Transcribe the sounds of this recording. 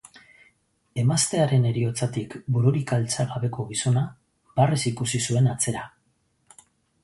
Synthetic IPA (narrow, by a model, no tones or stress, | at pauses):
e̞mast̪e̞aɾe̞ne̞ɾio̞t͡sat̪ikbuɾuɾikalt͡saɣaβe̞ko̞ɣiso̞na | baresikusisue̞nat͡se̞ɾa